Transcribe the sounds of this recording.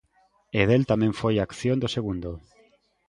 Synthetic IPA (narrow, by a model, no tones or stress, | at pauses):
eðelt̪amẽɱfojakθjond̪oseɣ̞und̪o